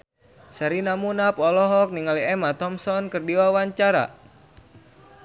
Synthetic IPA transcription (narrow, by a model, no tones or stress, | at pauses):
saɾinamunapɔlɔɦɔk̚niŋaliɛmat̪ɔmsɔnkərdiwawaɲt͡ʃaɾa̰